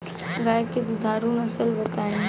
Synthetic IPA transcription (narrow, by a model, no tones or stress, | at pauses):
ɡaːjkɪt̪d̪ʱaːɾunəsəlbət̪aːe